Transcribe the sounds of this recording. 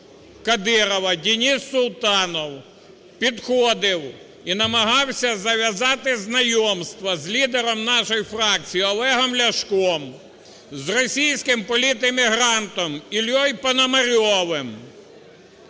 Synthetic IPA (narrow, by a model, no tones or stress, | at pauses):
kɐd̪ɪɾɔʋɐdʲinʲisːʊlˠt̪ɑnɔw | pʲid̪xɔd̪ɪw | inɐmɐɦɑwsʲɐzɐʋʲjɐzɑt̪ɪznɐjɔmst̪ʋɐzlʲid̪eɾɔmnɑʃɔjifrɑk̚t͡sʲijiɔlˠɛɦɔmlʲɐʃkɔm | zrɔsʲijsʲkɪmpɔlʲit̪emʲiɦɾɑnt̪ɔmilʲjɔjpɐnɐmɐɾʲɔʋɪm